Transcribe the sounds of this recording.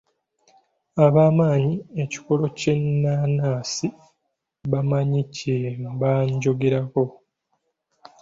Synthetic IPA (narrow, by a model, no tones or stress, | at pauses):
aβaːmaːɲie̞ci̥ko̞lo̞cenːaːnaːsi | βamaɲicembaɲɟo̞ɡe̞ɾako̞